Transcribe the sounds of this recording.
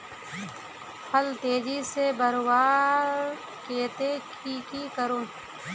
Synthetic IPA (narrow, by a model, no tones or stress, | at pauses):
həlt̪eːd͡ʒiːsebəɾwaː | keːt̪ekikiːkəɾõː